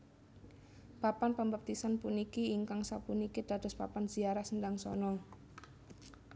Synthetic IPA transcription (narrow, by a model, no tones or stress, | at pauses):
papanpəmbap̚t̪isanpunikiːŋkaŋsapunikid̪̥a̤d̪̥ɔspa̰panz̥iaɾahsəndaŋsɔ̰nɔŋ